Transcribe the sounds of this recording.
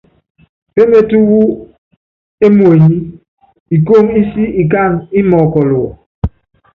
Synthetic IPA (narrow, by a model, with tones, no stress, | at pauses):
pe˦me˦tu˦wu˦ | e˦mwe˨ɲi˦ | i˨ko˦˨mi˦si˦i˨k̬a˦˨ŋi˦mɔ˨kɔ˨lo˨wɔ̰˨